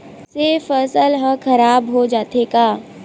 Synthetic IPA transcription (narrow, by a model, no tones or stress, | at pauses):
sefəsəlɦəkʰɐɾaːbɦod͡ʒaːt̪ekaː